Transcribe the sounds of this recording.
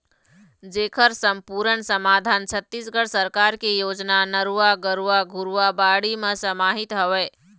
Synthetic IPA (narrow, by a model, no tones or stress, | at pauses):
d͡ʒeːkʰəɾsəmpuɾənsəmad̪ʱant͡ʃʰət̪ːisɡəɽsəɾkaɾkejod͡ʒnanəɾuaɡəɾuaɡʱuɾuwabaɽimesəmaɦit̪ɦəʋɛ